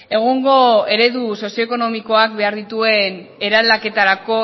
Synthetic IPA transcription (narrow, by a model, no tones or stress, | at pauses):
e̞ɣ̞oŋɡo̞e̞ɾe̞ðuso̞sio̞eko̞no̞miko̞ak̚be̞aɾðit̪ue̞ne̞ɾalake̞t̪aɾako̞